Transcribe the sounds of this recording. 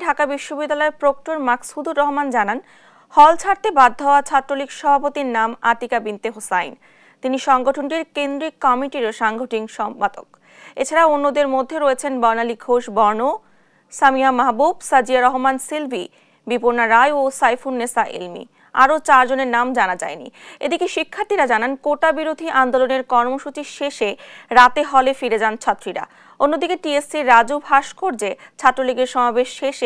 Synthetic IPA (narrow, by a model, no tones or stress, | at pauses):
ɖʱakabiʃːobid̪ːalɔepɾok̚ʈoɾmaksud̪ʱuɾːɔɦomand͡ʑanan | hɔlt͡ɕʰaɾt̪ebad̪ʱːaoat͡ɕʰat̪ːɾolikʃɔbʱapot̪iɾnama̰t̪ikabint̪eɦosajn | t̪iniʃɔŋɡoʈʰonʈiɾkend̪ɾikːɔmiʈiɾoʃaŋɡʱoʈʰiŋʃɔmpad̪o̰k | et͡ɕʰaɾaonːod̪eɾmod̪ʱːeɾoet͡ɕʰenbɔnaliɡʱoʃbɔɾno | samiamaɦbubsad͡ʑiaɾɔɦomansilbʱi | bipoɾnaɾajosajfunːesaʔḛlmḭ | a̰ɾot͡ɕaɾd͡ʑoneɾnamd͡ʑanad͡ʑa̰enḭed̪ikeʃikʰːaɾt̪ʰiɾad͡ʑanankoʈabiɾod̪ʱiʔand̪oloneɾkɔɾmoʃut͡ɕiʃeʃeɾat̪eɦɔlefiɾed͡ʑant͡ɕʰat̪ːɾiɾa̰ | onːod̪ikeʈiesiɾːad͡ʑubʱaʃkʰoɾd͡ʑet͡ɕʰat̪ːɾoliɡeɾʃɔmabeʃːeʃ